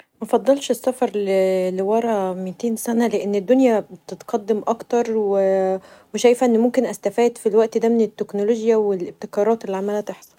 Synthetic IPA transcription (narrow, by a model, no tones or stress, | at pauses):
mæfɑd̪ˤːɑlʃesːæfɑɾˤleliwɑɾˤɑmit̪eːnsænæleʔenːed̪ːonjæbt̪et̪qɑd̪ːemʔɑkt̪ɑɾˤweweʃæjfæʔenːmomkenʔæst̪æfæːd̪filwæʔt̪d̪æːmenet̪ːeknoloʒjæwelʔeb̚t̪ekɑːɾˤɑːt̪elːiʕamælæt̪eħsˤɑ̥l